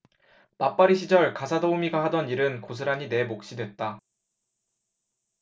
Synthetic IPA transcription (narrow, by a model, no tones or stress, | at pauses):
nap͈aɾiɕʰid͡ʑʌɭkasʰadoumiɡaɦadʌniɾɯnkos̬ʰɯɾaɲine̞mok̚ɕ͈idwe̞t̚t͈a